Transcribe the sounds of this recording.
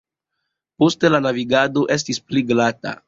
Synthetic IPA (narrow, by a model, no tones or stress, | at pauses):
poste̞lanaviɡado̞ʔe̞s̬tispliɡlata̰